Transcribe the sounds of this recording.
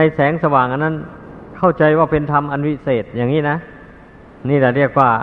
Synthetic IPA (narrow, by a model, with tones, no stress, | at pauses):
na˧jsɛː˨˦ŋsa˧waː˨˩ŋʔa˧nːa˥˩nkʰa˥˩wt͡ɕa˧jwaː˧˩pe˧nt̪ʰa˧mʔa˧nwi˧˥seː˨˩t̪̚jaː˨˩ŋːiː˧˥˨na˦˥ | niː˧˥˩la˧˩ɾi˥˩ək̚waː˧˩